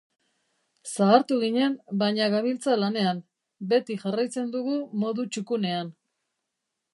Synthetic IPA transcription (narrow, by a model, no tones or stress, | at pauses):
saːɾt̪uɣiɲe̞mbajɲaɣaβilt͡salane̞am | be̞t̪iʝarajt͡se̞nd̪uɣumo̞ðut͡ʃukune̞an